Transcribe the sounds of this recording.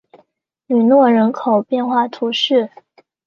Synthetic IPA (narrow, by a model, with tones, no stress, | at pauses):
ny˨˩nwɔ˥˩ɻə˧˥nkʰo˨˩ʊpjɛ˥˧nxwa˥˩t̪ʰu˧˥ʂɻ̩˥˩